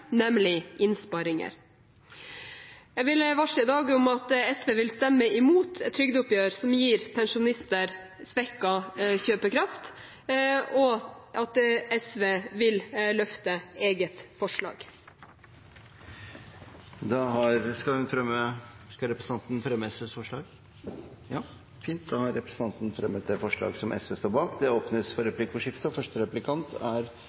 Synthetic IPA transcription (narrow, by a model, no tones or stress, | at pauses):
nɛmlɪʔɪnspɑɾɪŋə̰ɾ | ɛʋɪlʋɑʂɪd̪ɑːɡʊmɑt̪ɛsʋeːʋɪlst̪ɛmːəɪmuːt̪ʰɛt̪ʰːɾʏɡd̪ʊpjøːɾsɔmjiːɾpʰɛnʂʊnɪst̪əɾ | sʋɛkːɑçøːpəkʰɾɑft̪ | ɔʔɑt̪ɛsʋeːʋɪllœft̪əeːɡət̪fɔʂɭɑ̰ːɡ̥ | d̪ɑɦɑɾskɑʉnfɾɛmːəskɑɾɛpɾəsn̩ɑnt̪n̩fɾɛmːəɛsʋeːsfɔʂɭɑːɡ | jɑː | fiːnt̪̚d̪ɑhɑɾɾɛpɾəsənt̪ɑnt̪nfɾɛmːət̪̚d̪ɛfɔʂɭɑ̰ːɡsɔmʔɛ̰sʋeːst̪oːɾbɑːkd̪ɛoːpnəsfɔɾɛplɪkːfɔʂɪft̪əɔfœʂʈəɾɛplɪkʰɑnt̪ʰæɾ